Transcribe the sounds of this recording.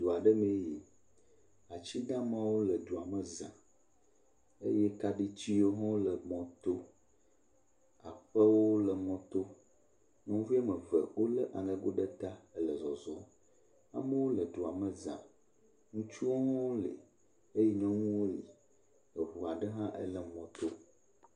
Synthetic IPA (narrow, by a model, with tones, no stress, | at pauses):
d̪o˨a˨ɖə˦mẽ˦ji˨ | a˨t͡ɕi˦d̪ã˦mã˦wo˦lə˨d̪o˨a˨mə˨zã̰˨ | ḛ˦jɛ˦ka˦ɖi˦t͡ɕi˦o˦ɦɔ̃˦lə˨mɔ̃˨t̪o˦ | a̰˨ɸə˦wo˦lə˨mɔ̃˨t̪o˦ | nɔ̃˦vi˦a˦mə˨və̰˨wo˦lə˦ʔa˨ŋə̃˨ɡo˦ɖə˦t̪a˦ə˦lə˨zɔ˨zɔ˦ | a̰˦mə˦wo˦lə˨d̪o˨a˨mə˨zã̰˨ | ŋũ˦t͡ʃu˦wo˦ɦɔ̃˦wlḭ˨ | e˦jɛ˦ɲɔ̃˦ŋũ˦wo˦li˨ | ə˨ɦu˨a˨ɖə˦ɦã˦ʔə̰˦lə˨mɔ̃˨t̪o˦